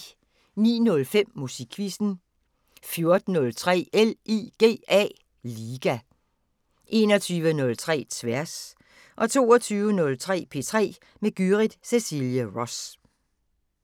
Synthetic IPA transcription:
nḭːnɔ̽lfem̰ːusiɡ̥ʰʋisn̩ | fjo̝ɐd̥n̩ːɔ̽lt͡sʰʁɛ̰ːeliɡ̥e̝̰ːɛ̰ː | liːɡ̥æ | ʔe̝̰ːnɒt͡sʰyːʋənɔ̽lt͡sʰʁɛ̰ːt͡sʰʋæɐs | ʔɒ̽t͡sʰo̝̰ːɒt͡sʰyːʋənɔ̽lt͡sʰʁɛ̰ːpʰe̝̰ːt͡sʰʁɛ̰ː | meɡ̥yʁid̥sesiljəʁɒs

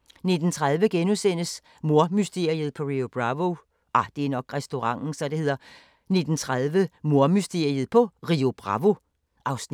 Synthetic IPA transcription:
ne̝d̥n̩t͡sʰʁað̞ˠʋəɡ̥enusen̰əs | mo̝ɐmysd̥e̝ɐ̰iəð̞̩ˠpʰɒ̽ʁio̝b̥ʁɑʋo | ʔɑd̥e̝æɐnɒ̽ɡ̥ʁɛsd̥o̝ʁɑ̈ŋ̰n̩sɒ̽d̥e̝he̝ð̞̰ˠɐ | ne̝d̥n̩t͡sʰʁaðˠʋəmo̝ɐmysd̥e̝ɐ̰iəð̞̩ˠpʰɒ̽ʁio̝b̥ʁɑ̈ʋo̝ | ʔɑ̈ʊs

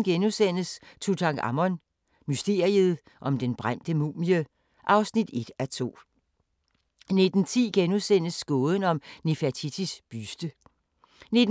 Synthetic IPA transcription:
n̩ɡ̥enusen̰əst͡sʰut͡sʰɑ̈ŋɡ̥ɑ̰mɒ̽n | mysd̥e̝̰ɐiəð̞̩ˠ | ʔɒ̽md̥enb̥ʁam̰d̥əmṵːmiə | ʔɑ̈ʊsnid̥e̝d̥æt͡sʰo̝̰ː | ne̝d̥n̩t͡sʰḭːɡ̥enusen̰əsːɡ̥ɔːðˠən̩ɒ̽mnefæt͡sʰit͡sʰisb̥ysd̥ə | ne̝d

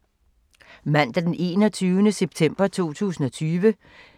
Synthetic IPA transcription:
mæn̰d̥æd̥ene̝̰ːnɒt͡sʰyːʊnəseb̥t͡sʰem̰b̥ɐt͡sʰo̝̰ːt͡sʰṵːsn̩ɒ̽t͡sʰyːʋə

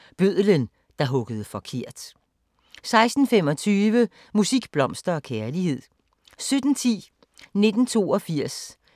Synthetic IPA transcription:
b̥øð̰ˠlən | d̥ɑ̈ɦɔ̽ɡ̥əðˠəfɒ̽kʰe̝ɐ̰d̥ | sɑ̈ɪsd̥n̩fem̰ɒ̽t͡sʰyːʋə | musiɡ̥b̥lɒ̽msd̥ɐɒ̽kʰæɐlihe̝ð̞̰ˠ | sød̥n̩t͡sʰḭː | ne̝d̥n̩t͡sʰo̝̰ːɒ̽fiɐ̰s

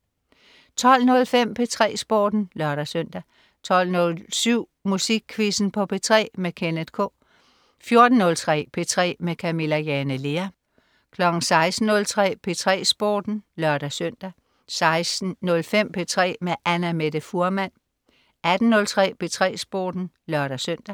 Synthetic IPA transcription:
t͡sʰɒ̽l̰nɔ̽lfem̰pʰe̝t͡sʰʁɛ̰ːsb̥oːd̥n̩lɶɐɾ̥æsøn̰d̥æ | t͡sʰɒ̽l̰nɔ̽lsyʊ̰musiɡ̥̚kʰʋisn̩pʰɒ̽pʰe̝t͡sʰʁɛ̰ːmekʰened̥kʰɔ̰̽ː | fjo̝ɐd̥n̩ːɔ̽lt͡sʰʁɛ̰ːpʰe̝t͡sʰʁɛ̰ːmekʰæme̝læjɛnəle̝ɐ | kʰlɒ̽ɡ̥n̩sɑ̈ɪsd̥n̩ːɔ̽lt͡sʰʁɛ̰ːpʰe̝t͡sʰʁɛ̰ːsb̥oːd̥n̩lɶɐɾ̥æsøn̰d̥æ | sɑ̈ɪsd̥n̩nɔlfem̰pʰe̝t͡sʰʁɛ̰ːmeʔænæmed̥əfuɐmæn̰ | æd̥n̩ːɔ̽lt͡sʰʁɛ̰ːpʰe̝t͡sʰʁɛ̰ːsb̥o̰ːd̥n̩ | lɶɐɾ̥æsøn̰d̥æ

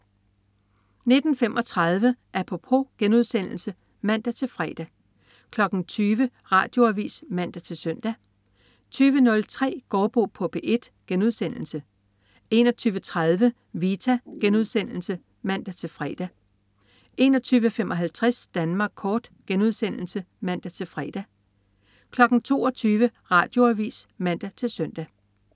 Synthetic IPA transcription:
ne̝d̥n̩fem̰ʔɒ̽t͡sʰʁɑð̞ˠʋəʔæɐpʰɒ̽pʰʁo̝ɡ̥enuð̞̰ˠsen̰l̩sə | mæn̰d̥æt͡sʰe̝lfʁɛ̰ːd̥æ | kʰlɒ̽ɡ̥n̩t͡sʰyːʋə | ʁɑ̰̈ːd̥jo̝æʋḭːsmæn̰d̥æt͡sʰe̝lsœn̰d̥æ | t͡sʰyːʋənɔ̽lt͡sʰʁɛ̰ːɡ̥ɒːb̥o̝̰pʰɔ̽b̥eʔe̝d̥ɡ̥enuð̞ˠsen̰l̩sə | e̝nɒ̽t͡sʰyːʋət͡sʰʁaðˠʋə | ʋit͡sʰæɡ̥enuð̞ˠsen̰l̩sə | mæn̰d̥æt͡sʰe̝lfʁɛ̰ːd̥æ | ʔe̝nɒ̽t͡sʰyːʋəfemʔɒ̽ɦælt͡sʰʁɛsd̥ænmɑ̈ːɡ̥̚kʰɒːd̥ɡ̥enuð̞ˠsen̰l̩sə | mæn̰d̥æt͡sʰe̝lfʁɛ̰ːd̥æ | kʰlɒ̽ɡ̥n̩t͡sʰo̝̰ːɒt͡sʰyːʋəʁɑ̈ːd̥jo̝æʋḭːsmæn̰d̥æt͡sʰe̝lsœn̰d̥æ

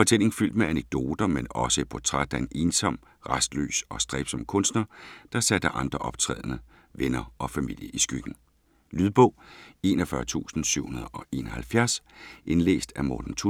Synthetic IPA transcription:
fɒ̽t͡sʰel̰e̝ŋ̩fyl̰d̥meæneɡ̥̚d̥o̝ːd̥ɐmenɒ̽səipʰɒt͡sʰʁad̥æe̝ne̝ːnsɒ̽m̰ | ʁɑsd̥lø̰ːsɒ̽sd̥ʁɛːb̥sɒ̽mkʰɔ̽nsd̥nɐd̥ɑ̈sæd̥əʔɑ̈nd̥ʁɐʔɒ̽b̥̚t͡sʰʁɛ̰ːð̞ˠnə | ʋenɐʔɒ̽fæmil̰jəʔisɡ̥yɡ̥n̩ | lyðˠb̥ɔ̽ʊ̰e̝̰ːnɐfɶɐt͡sʰṵːsn̩syʊ̰hunɐð̞ˠɒ̽ʔe̝̰ːnɒhælfjæɐsʔenlḛːsd̥æmɒːd̥n̩t͡sʰu

